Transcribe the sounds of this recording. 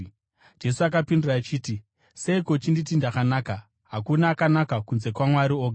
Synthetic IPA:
d͡ʒe̞suak̬apinduraːt͡ʃiːti | se̞ikot͡ʃinditindakanaːka | ɦakunaːkanakakunze̞kwamwaɾioːɡʱa

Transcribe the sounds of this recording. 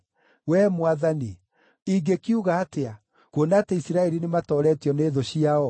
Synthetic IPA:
wɛmwaðani | iɡekiuɣaːtea | konaːteisiɾaɛɾinematɔːɾɛtjɔneːðoɕiaɔ

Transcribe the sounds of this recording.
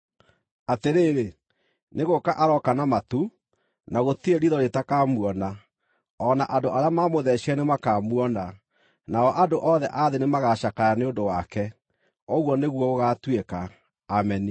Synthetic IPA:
ateɾeːɾe | neɣokaʔaɾɔkanamatu | naɣotieɾiðɔɾetakamwɔna | ɔnaʔadoʔaɾeamamoðɛɕɛnemakaːmwɔna | naɔʔadoʔɔðɛ̰ʔaðenemaɣaʃakajaneondowakɛ | ɔɣwɔneɣwɔoɣatwekaː | mɛni

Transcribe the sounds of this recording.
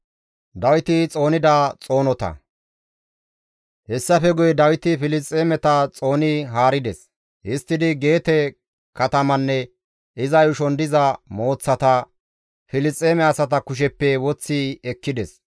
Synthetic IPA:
d̪ɐwɪt̪ɪt͡sʼo̞ːnɪd̪ɐt͡sʼo̞ːnɔt̪ɐ̰ | hɛsːɐfɛɡʊjɛd̪ɐwɪt̪ɪfɪlɪt͡sʼːeːmɛt̪ɐt͡sʼo̞ːnɪɦaːɾɪd̪ɛs | hɪst̪ːɪd̪ɪɡe̞ːt̪ɛ | kɐt̪ɐmɐnːɛ | ɪzɐjʊʃɔnd̪ɪzɐmo̞ːt͡sːɐt̪ɐ | fɪlɪst͡sʼːeːmɛɐsɐt̪̬ɐkʊʃ̬ɛpːɛwɔt͡sːɪɛkːɪd̪ɛs

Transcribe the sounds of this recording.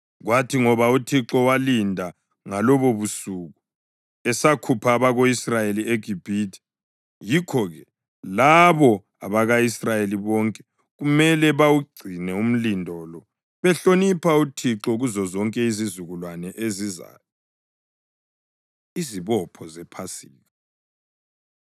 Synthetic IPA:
ɣwatʰiŋɔβautʰiǁɔwalindʱa | ŋalɔβoβusuɣu | ɛsakʰupʰaːβaɣoisrajelieɡʱib̥ʱitʰi̥ | jikʰɔɣɛ | laβɔ | a̰βaɣaisrajeliβɔːŋkʼɛ̥ | ɣumɛlɛβawuɡ͡ǀʱinɛum̩lindʱɔlɔ | βɛɬonipʰautʰiǁɔɣuzɔzɔŋkʼɛizizuɣulwanɛʔeziza̰ːjɔ | iziβɔpʰɔzɛpʰasiːɣa

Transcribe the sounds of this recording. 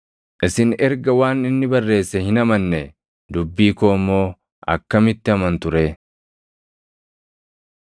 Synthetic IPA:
ʔɪsɪnɛɾɡɐwaːnɪnːɪbɐrːe̞ːsːɛhɪnɐmɐnːɛ | d̪ʊbːiːkoːmːo̞ː | ɐ̰kːɐmɪt̪ːɪɐmɐnt̪ʊɾeː

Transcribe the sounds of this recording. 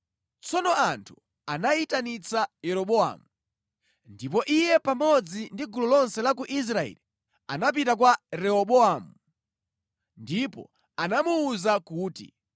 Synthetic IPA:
t͡sɔnɔantʰu | anaitanit͡sajɛɾɔɓɔa̰mu | ndipɔʔijɛpamɔd͡zindiɡulɔlɔnsɛlakuʔis̬ɾaɛ̰li | a̰nap̬itak̬waɾɛɔɓɔamu | ndipɔ̰ | anamuːzakuːtḭ

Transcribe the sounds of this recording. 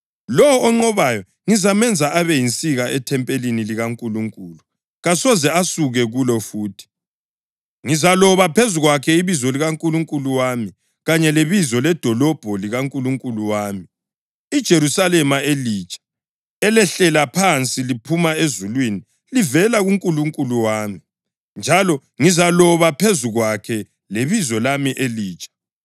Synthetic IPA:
lɔwɔːŋ͡ǃɔβajɔ | ŋizamɛnd͡zʱaaβɛjint͡sʼiɣaɛtʰɛmpʼeliniliɣaŋkʼuluŋkʼulu | ɣasɔzɛasuɣɛɣulɔfuːtʰi̥ | ŋizalɔβapʰezuɣwakʰɛiβizɔliɣaŋkʼuluŋkʼuluwami | ɣaɲɛleβizɔlɛd̥ʱɔlɔb̥ʱɔliɣaŋkʼuluŋkʼuluwaːmi | id̥ʒ̥ʱeɾusalɛmaelit͡ʃʼḁ | ɛlɛɬɛlapʰant͡sʼilipʰumaezulwini | livɛlaɣuŋkʼuluŋkʼuluwaːmi | nd͡ʒʱalɔ | ŋizalɔβapʰezuɣwakʰɛ | leβizɔlamiʔeliːt͡ʃʼḁ

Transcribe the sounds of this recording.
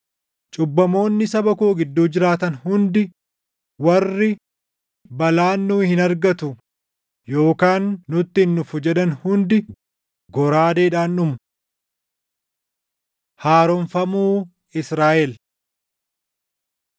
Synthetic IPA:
t͡ʃʼʊbːɐmo̞ːnːɪsɐbɐkoːɡɪd̪ːuːd͡ʒɪɾaːt̪ɐnhʊnd̪ɪ | wɐrːɪ | bɐlaːnːuːhɪnɐɾɡɐt̪ʊ | jo̞ːkaːnːʊt̪ːɪnːʊfʊd͡ʒɛᶑɐnhʊnd̪ɪ | ɡɔɾaːd̪eːᶑaːnːʊmʊ | haːɾonfɐmuː | ɪsɾaːʔɛl

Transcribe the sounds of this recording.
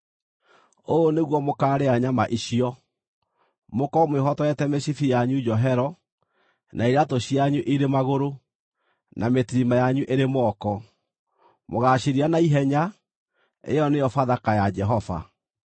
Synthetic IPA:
oneɣwɔmokaːɾeaɲamaʔiʃiɔ | mokɔmwehɔtɔɛtɛmeɕifijaɲud͡ʒɔɦɛɾɔ | nʔaiɾatoɕiaɲuʔiɾemaɣoɾo | nametiɾimajaɲuʔeɾemɔkɔ | moɣaɕiɾianaiɦɛɲa | ḛjɔnejɔfaðakajad͡ʒɛɦɔfa̰

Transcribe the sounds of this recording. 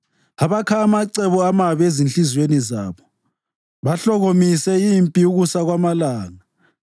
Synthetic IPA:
aβakʰaːmaǀɛβuamaβezinɬʼizweniza̰ːβɔ | βaɬɔɣomisɛimpʼiuɣusaɣwamalaːŋa

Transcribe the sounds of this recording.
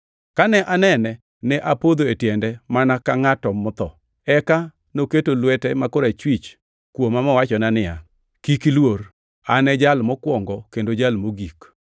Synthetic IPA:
kanɛʔanɛnɛ | nɛʔapod̪oetjɛndɛmanakaŋatɔmʊt̪ɔ | ɛka | noketolwɛtɛmakoɾat͡ʃwit͡ʃ | kwomamɔwat͡ʃɔnanɪja | kikilwor | anɛd͡ʒalmɔkwɔŋɡɔkendod͡ʒalmoɡik

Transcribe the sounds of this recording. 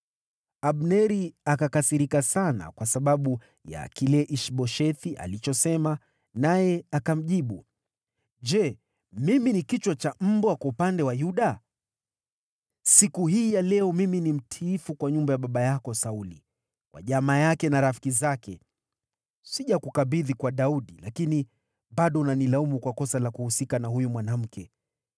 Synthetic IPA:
aɓnɛɾiakakasiɾikasana̰kwasaɓaɓu | ja̰kilɛʔiʃɓɔʃɛθiʔa̰lit͡ʃɔsɛma | najɛakam̩ʄiɓu | d͡ʒɛ | miminikit͡ʃwat͡ʃam̩bwakwaupandɛwajuɗa | sikuɦiːjalɛɔmiminim̩tʰiːfukwaɲumbajaɓaɓajakɔsaulḭ | kwa̰ʄamaːjakɛnaɾafi̥kizakɛ | siʄakukaɓiðikwaɗauɗilakini | ɓaɗɔunanilaumukwakɔsalakuhusikanahujumwanam̩kʰɛ

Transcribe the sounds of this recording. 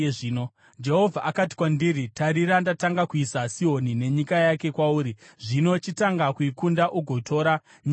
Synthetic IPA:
ʐiːno | d͡ʒe̞ɦo̞vʱaʔakati̥kwandiɾitaɾiɾandataŋɡakuisasio̞nine̞ɲikajake̞kwauːɾiʐino̞t͡ʃitaŋɡakuikundaʔuɡʱo̞tʰo̞ːɾa | ɲi

